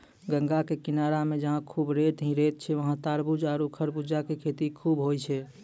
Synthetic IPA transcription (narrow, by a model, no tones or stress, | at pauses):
ɡə̃ŋɡakekinaɾamẽd͡ʒəɦãkʰubɾeʈɦĩɾet̪̚t͡ʃʰɛʋəɦãt̪aɾbud͡ʒaɾukʰəɾbud͡ʒakekʰet̪ikʰubɦojt͡ʃʰɛ